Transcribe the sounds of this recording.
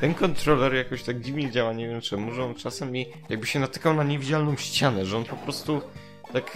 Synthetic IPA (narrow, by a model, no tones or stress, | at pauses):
t̪ɛnkɔnt̪ɾɔlɛɾjakɔɕt̪aɡ̚d͡ʑivɲɛd͡ʑawaɲevʲjɛmt͡ʂɛmuʐɛɔnt͡ʂasɛmʲi | jaɡ̚bɘɕɛnat̪ɘ̥kawnaɲevʲid͡ʑalnɔ̃w̃ɕt͡ɕanɛʐɛɔnpɔpɾɔst̪u | t̪ak